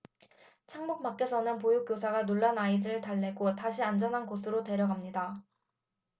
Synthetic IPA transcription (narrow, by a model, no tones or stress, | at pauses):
t͡ɕʰaŋmuk̚mak͈̚e̞sʰʌnɯnpojuk͈josʰaɡanoɭːanaidɯɯɭtaɭːe̞ɡotaɕʰiand͡ʑʌnɦanɡosʰɯɾote̞ɾjʌɡamɲida